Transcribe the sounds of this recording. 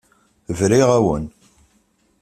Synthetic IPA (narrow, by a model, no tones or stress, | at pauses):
vɾiʁæwə̰n